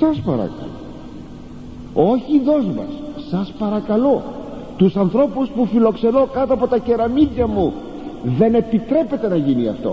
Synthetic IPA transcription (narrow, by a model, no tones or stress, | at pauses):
sɐspɐɾɐ̰kɐ̰lo̰ | o̞çiðo̞zmɐ̰sːɐspɐɾɐkɐlo̞ | t̪usɐnθɾo̞puspufilo̞kse̞no̞kɐt̪oɐpo̞t̪ɐce̞ɾɐmiðʝɐmu | ðe̞ne̞pit̪ɾe̞pe̞t̪e̞nɐʝiniɐft̪o̞̰